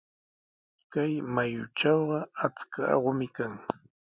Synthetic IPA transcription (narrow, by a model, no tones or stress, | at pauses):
kajmajʊ̰ʈ͡ʂɑwɢɑat͡skaɑ̰ɢʊmɪkaŋ